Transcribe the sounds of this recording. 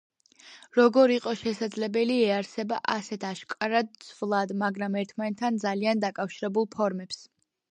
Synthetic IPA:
ɾɔɡɔɾiqʼɔʃɛsad̪zlɛbɛliɛaɾsɛba̰ʔasɛt̪ʰaʃkʼaɾad̪̚sʰvlˠad̪maɡɾamɛɾt̪ʰmanɛt̪ʰːand̪zaliand̪akʼafʃiɾɛbulˠpʰɔɾmɛps

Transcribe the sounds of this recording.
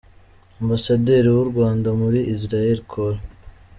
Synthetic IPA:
ombasadeɾiwuɾɡwaːndamuɾiʔizɾajeɾikʰoɾa

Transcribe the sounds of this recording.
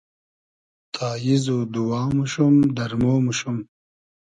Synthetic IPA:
t̪ʰaːjizod̪uwaːmuʃumd̪ɐɾmoːmuʃum

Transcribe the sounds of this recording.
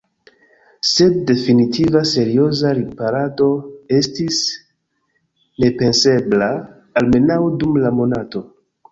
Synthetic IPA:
se̞d̚ːe̞finitʰivase̞ɾio̞zaɾipaɾado̞e̞stis | ne̞pe̞nse̞blaː | lme̞nawdumlamo̞nato̞

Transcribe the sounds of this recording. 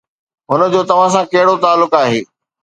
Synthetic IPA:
ɦʊnə̆d͡ʑoːt̪ɐʋ̤ãs̬ãkɐɦɪɽot̪aːlːʊkaːɦeː

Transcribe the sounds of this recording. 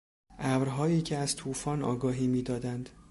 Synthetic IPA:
ʔævɾɦɒːjiːcʰeæz̥t̪ʰuːfɒːnɒ̰ːɡɒːɦiːmiːd̪ɒːd̪ænd̪̥

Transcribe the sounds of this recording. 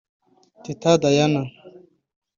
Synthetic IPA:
t̪it̪ʰad̪ajana

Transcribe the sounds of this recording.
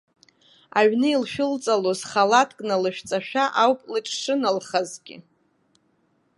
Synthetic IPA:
aɥnɨilʃᶣʊlt͡sʼalozχalatʰkʼnalɨʃᶣt͡sʼaʃᶣaʔawpʼlɨʈ͡ʂʼʂɨnalχazɡʲɪ̰

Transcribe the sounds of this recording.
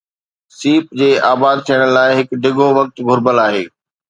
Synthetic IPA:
siːpd͡ʑeːʔaːbaːd̪̚t̪ʰijəɽ̃laːɪɦɪkɖʱɪɡʱoʋɐk̚t̪ɡʱʊɾbəlaːɦḛː

